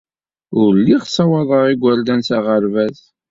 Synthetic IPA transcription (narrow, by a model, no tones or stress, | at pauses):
ʊɾlːiʁsˤɑwɑðˤəʁiɡʷːæɾd̪ænsæʁəɾvæθ